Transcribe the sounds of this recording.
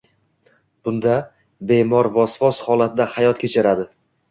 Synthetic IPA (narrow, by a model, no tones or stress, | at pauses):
b̥ʊnd̪a | be̞mɒɾvɒsvɒshɒlˠat̪̚d̪ahajɒt̪kʲʰet͡ʃʰɪɾad̪ɪ